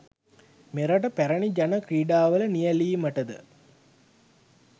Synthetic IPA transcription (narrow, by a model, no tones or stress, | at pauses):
meɾaʈ̬əpæɾəɳid͡ʒanəkɾiːɖaːʋələnijəliːməʈəd̪ə̰